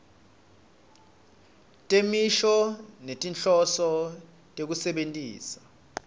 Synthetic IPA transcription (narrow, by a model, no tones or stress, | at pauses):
tʼemiʃɔnetʼinɬʼɔsɔ | tʼek̬usɛɓentʼiːsḁ